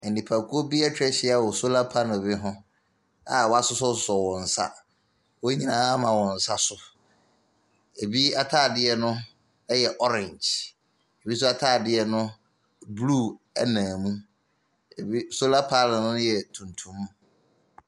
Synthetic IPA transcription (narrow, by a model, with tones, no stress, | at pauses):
ɛ˨n˨nĩ˨pʰa˨kʰʊ˦o˦bi˦a˦t͡ɕʰᶣɾɛ˦ɕɪ˦a˦˨wɔ˨so˦la˦pʰa˦nʊ̃˨bɪ˦ɦʊ̃˦ | a̰˨wɔ˦a˦sʊ˦sɔ˦sʊ˨˦sɔ˨wɔ̃˨n̩˨sa̰˦ | wo˦ɲĩ˦nãː˦mã˨wɔ̃˨n̩˨sa˦sʊ˨ | e˨bi˦a˦tʰaː˦˨dɪ˦ɛ˦nʊ̃˦ | jɛ˨ʔɔ˦ɾɪ̃˨ɲd͡ʒ | e˨bi˦s̬ʊ˦a˦tʰaː˦˨dɪ˦ɛ˦nʊ̃˦ | bluː˦˨ | ɛ˦nãː˨mũ˦ | e˨bi˦so˦la˦pʰa˦nʊ̃˨nʊ̃˦jɛ˨tʰũ˨n˨tʰũ˦mː˦